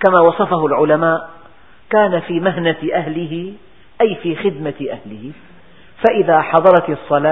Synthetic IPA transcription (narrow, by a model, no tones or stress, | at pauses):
kamaːwɑsˤɑfaɦʊlʕʊlamaːʔ | kaːnafiːmaɦnaʔaɦlɪɦɪ | ʔajfiːxɪd̪maʔahlɪhɪ | faʔɪðaːħɑðˤɑɾˤɑt̪sˤːɑlaː